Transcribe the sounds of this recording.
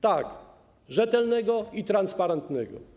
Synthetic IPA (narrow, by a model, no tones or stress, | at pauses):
t̪ak | ʐɛt̪ɛlnɛɡɔit̪ɾanspaɾɛnt̪nɛɡɔ̰